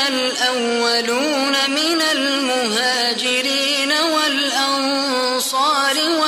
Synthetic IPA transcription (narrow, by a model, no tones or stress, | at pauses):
al | ʔawːaluː | namɪnal | mʊɦaːd͡ʒɪɾiː | nawalʔɑn | sˤɑːɾɪwa